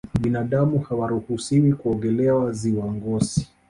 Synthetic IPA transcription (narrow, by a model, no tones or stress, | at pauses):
ɓinaɗamuhawaɾuhusiwikuɔŋɡɛlɛwaziwaŋɡɔsi̥